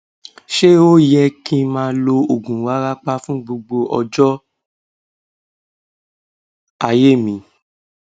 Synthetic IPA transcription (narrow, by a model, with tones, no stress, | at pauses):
ʃe˦o˦jɛ˦kĩ˧mã˧lo˧o˨ɡũ˨wa˨˦ɾa˦k͡pa˧˦fũ˦ɡ͡bo˧ɡ͡bo˧ʔɔ̰˧d͡ʒɔ˦ | a˨je˦˨mĩ˨˦